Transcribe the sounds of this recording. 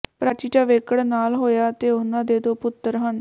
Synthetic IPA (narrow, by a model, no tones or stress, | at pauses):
pɾaːt͡ʃiːʈaːʋeːkəɽnaːlɦoːjaːt̪eːʊnãːd̪eːd̪oːpʊt̪ːəɾɦən